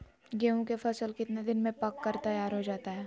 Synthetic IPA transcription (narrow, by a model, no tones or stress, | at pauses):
ɡeːũkefɐsəlkɪt̪ned̪ɪnmẽpɐkːɐɾt̪ɐjaːɾɦod͡ʒaːt̪aɦɛː